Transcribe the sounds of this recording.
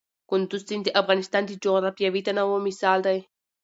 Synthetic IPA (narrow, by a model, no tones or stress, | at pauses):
kʊnd̪ust͡s̪ind̪eʔafɣanist̪and̪id͡ʒoɾapjaβit̪anawomisald̪aj